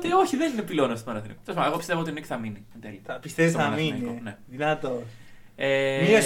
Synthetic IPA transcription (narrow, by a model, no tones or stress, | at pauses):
t̪io̞çiðeninepilo̞nɐst̪omɐɾɐθinḭko̥t̪os̬fpɐɐeɣo̞pist̪e̞vot̪inecθɐminind̪eliɐpist̪eisɐɐɐminikoneðinɐt̪o | emi